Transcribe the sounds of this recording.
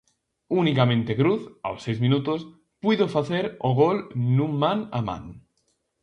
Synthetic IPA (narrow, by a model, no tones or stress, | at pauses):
unikamẽnt̪ekɾuθa̰wsːejzmĩnut̪os | piðofaθeɾoɣ̞olnummana̰mã̰ŋ